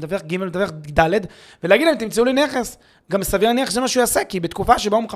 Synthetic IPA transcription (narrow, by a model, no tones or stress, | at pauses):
t̪aveχɡimelmet̪aveχd̪aled̪ | veleaɡidlaimt̪imt͡seulineχes | ɡamsaviʁaneχeszemaʃeuasekibet̪kufaʃebaumeχa